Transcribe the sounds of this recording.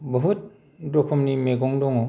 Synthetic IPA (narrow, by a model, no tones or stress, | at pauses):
bɔɦut̚ | dɾɔkʰɔmnimeɡɔŋdɔŋɔ